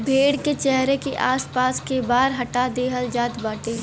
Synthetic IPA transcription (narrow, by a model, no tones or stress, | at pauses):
bʱeːɽket͡ʃɛɦɾekeʔaːspaːskebaːɾɦɐʈad̪eːɦəld͡ʒaːt̪baːʈeː